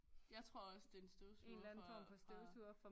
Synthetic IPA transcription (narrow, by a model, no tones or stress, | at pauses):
jɑ̈ɪt͡sʰʁo̝ɐɒ̽səd̥ensd̥oʊseunnlænn̩fɒ̰mpʰɒ̽sd̥øʊsuɐfɒ̽